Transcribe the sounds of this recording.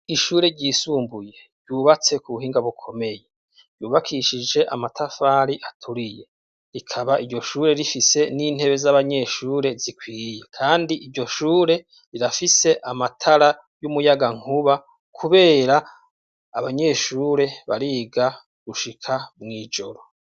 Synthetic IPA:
iʃuːɾe̞ɾɟiːsuːmbuje̞ | ɟɟuːβat͡se̞kuβuɦiːŋɡaβukʰo̞me̞je̞ | ɾ̥ɟuːβakʰiʃid͡ʒe̞ʔa̰matʰafaːɾiʔatʰuɾije̞ | ɾikʰaβaʔiɾɟo̞ʃuːɾe̞ɾifise̞niːn̥he̞βe̞zaβaɲe̞ʃuːɾe̞zikwiːje̞kʰaːndiʔiɾɟo̞ʃuːɾe̞ | ɾiɾafise̞ʔamatʰaɾa | jumujaɡaŋ̥huβa | kʰuβe̞ːɾaː | βaɲe̞ːʃuːɾe̞βa̰ɾiːɡa | ɡ̥uʃikʰamŋiːd͡ʒo̞ɾo̞

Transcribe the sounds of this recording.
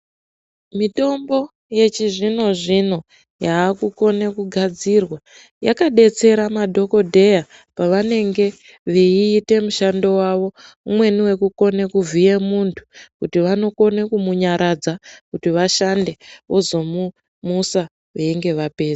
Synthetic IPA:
mito̞mbo̞ | je̞t͡ʃiʐino̞ʐino̞ | jaːkuko̞nekuɡʱad͡zirwa | jakaɗe̞t͡se̞ɾamadʱo̞ko̞dʱe̞ja | paʋane̞ŋɡe̞ | ʋeiːte̞muʃando̞waʋo̞ | umwe̞niwe̞kuko̞nekuvʱije̞muntʰu̥kutiʋano̞ko̞nekumuɲaɾʔad͡zakutiʋaʃande̞ozo̞mu | musa | ʋeiŋɡe̞ʋape̞ːza

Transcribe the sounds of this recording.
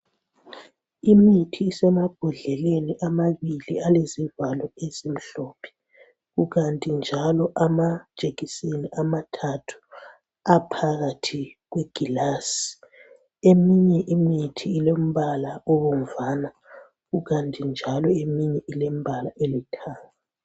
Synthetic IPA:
imitʰiːsɛmab̥ʱuɮɛleniʔamaβilialezivalɔezem̩ɬɔːpʰɛ̥ | ɣuɣantʼind͡ʒʱalɔʔamad̥ʒ̥ʼʱeɣiseniʔamatʰatʰu̥ | apʰaɣatʰiɣweɡ̥ʱilasi̥ | emiɲɛʔimitʰiːlom̩βalaoβom̩vana | ɣuɣantʼind͡ʒʱalɔemiɲɛʔilem̩bʱalaʔelitʰaːŋa

